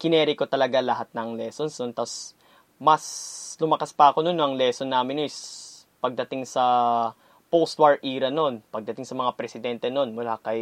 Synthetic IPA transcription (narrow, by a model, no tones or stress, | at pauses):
kɪnɛːɾɪko̞t̪ɐlɐɡalɐɦat̪̚nɐŋlɛːso̞nsnont̪ɐs | mɐslʊmɐkaspɐʔɐko̞nonːoʔɐŋlɛso̞nːaːmɪnɪspɐɡ̚d̪ɐt̪ɪŋsɐ | powst̪wɐɹʔiːɾɐno̞npɐɡ̚d̪ɐt̪ɪŋsɐmɐŋapɾɛsɪd̪ɛnt̪ɛno̞nmʊlakɐj